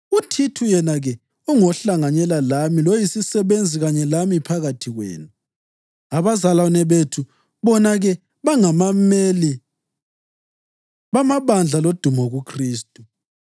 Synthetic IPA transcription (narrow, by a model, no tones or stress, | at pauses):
utʰitʰujɛnaɣɛ | uŋɔɬaŋaɲɛlalamilojisisɛβend͡zʱiɣaɲɛlamipʰaɣatʰiɣwɛ̰ːnu | aβazalanɛβetʰu | βɔnaɣɛ | βaŋamameli | βamaβand͡ɮʱalod̥ʱumɔɣukʰriːstʼu